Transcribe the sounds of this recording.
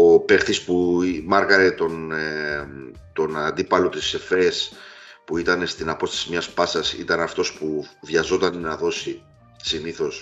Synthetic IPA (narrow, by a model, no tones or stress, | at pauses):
ope̞xθispumɐɾkɐɾet̪o̞n | t̪o̞nɐnd̪ipɐlo̞t̪ise̞fɾe̞spuit̪ɐnest̪inɐpo̞st̪ɐ̥simɲɐspɐsɐsḭt̪ɐnɐft̪o̞spuðʝɐzo̞t̪ɐnnɐðo̞si | siniθo̞s